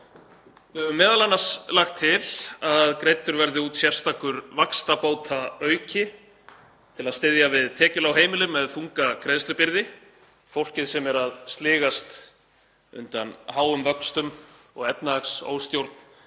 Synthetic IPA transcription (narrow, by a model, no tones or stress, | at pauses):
vɪhɛvʏmːɛːðalanːḁslaxt̪ʰːɪlaðkɾejt̪ːʏɾvɛɾðɪuːt̪sjɛr̥st̪ʰaːkʏɾvakst̪apoːwt̪ʰaœːɥcɪ | t̪ʰɪlaðst̪ɪðjavɪðt̪ʰɛːcʏlawɦeːjmɪlʏmːɛðθuŋkakɾeðst̪ɾɪpɪɾðɪ | fowl̥cɪðsɛmɛɾaðst̪lɪːɣast̪ | ʏ̰nt̪anhaːwʏmvœkst̪ʏm | ɔɣɛpnaakso̰ːwst̪jowɾt̪n̥